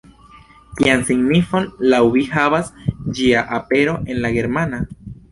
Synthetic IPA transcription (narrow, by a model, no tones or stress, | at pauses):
kiansiɡnifo̞nlawβihaβasd͡ʒiaʔape̞ɾo̞ʔe̞nlaɡe̞ɾmana